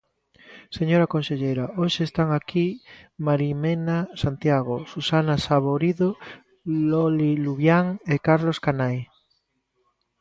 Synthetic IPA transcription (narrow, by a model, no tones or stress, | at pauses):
seɲoɾakõnseʎejɾaʔoʃeːst̪aŋakimaɾimenasant̪jaɣ̞osusanasaβoɾiðo | loliluβjaŋekaɾloskanaj